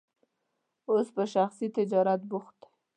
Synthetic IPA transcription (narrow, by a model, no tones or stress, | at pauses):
ospəʃaxsit̪ɪd͡ʒɑɾat̪̚bʊxt̪